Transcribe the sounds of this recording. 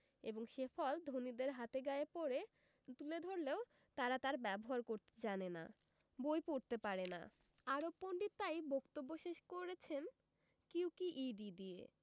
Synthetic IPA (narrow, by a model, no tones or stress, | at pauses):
ḛboŋʃefʰɔld̪ʱonid̪eɾɦat̪eɡaepoɾe | t̪uled̪ʱoɾleo | t̪aɾat̪aɾbɛboɦaɾkoɾt̪ed͡ʑanena̰ | bojpoɾt̪epaɾena̰ | aɾopːoɳɖit̪ajbʱokt̪obːoʃeʃkoɾet͡ɕʰen | kiwkiʔiɖid̪iḛ